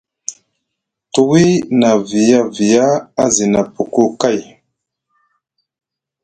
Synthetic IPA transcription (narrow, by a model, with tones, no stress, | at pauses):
tu˨wi˦na˨vi˨ja˦vi˨ja˦a˦zi˨na˨pu˨ku˦ka˦˨j